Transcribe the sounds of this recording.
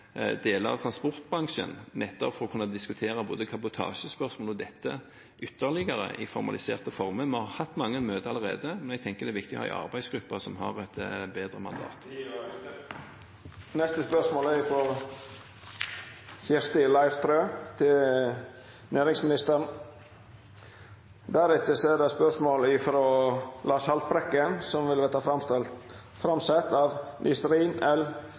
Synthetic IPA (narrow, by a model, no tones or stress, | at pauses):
d̪eːləɑ̰ʋt̪ʰɾɑnspɔʁt̪̚bʁɑŋʃə̰nnɛt̪ːɔpfɔɾʁɔkʰʉnːɑd̪ɪskʉt̪ʰeːɾɑboːd̪əkʰɑbʊt̪ʰɑ̰ːʃəspœʁʂmoːlɔd̪ɛt̪ːə | ʔʏt̪ːəʁlɪɡəɾə̰ʔɪfɔɾmɑ̰lɪsḛːʁt̪əfɔʁməmɔhɑhɑt̪ːmɑŋːənmøːd̪əɑləʁḛːd̪əmɛnɛɡ̚t̪ʰɛŋkəd̪ɛʋɪk̚t̪ɪɔ̰hɑ̰ːɪ̰ʔɑ̰ʁbæɪsɡ̥ɾʉpːɑsɔmɦɑ̰ʁɛt̪beːd̪ɾəmɑ̰nd̪ɑ̰ːt̪ | nɛst̪əspœʂmoːlæɾɪfɾɔ | fjæst̪əlɑɪɾt̪ʰɾøːt̪ʰɪl | nʔæːɾɪŋsmɪnɪst̪əɾɳ̩ | d̪æːɾʉt̪əsɔɛɖɛspœʂmoːlɪfɾoːlʔɑːsɑlt̪̚bɾɛkːənsɔmʋɪlʋeːt̪ɑfɾɑsl | fɾɑmsɛt̪ːɑʋnʔɪ̰st̪ɾiːnɛl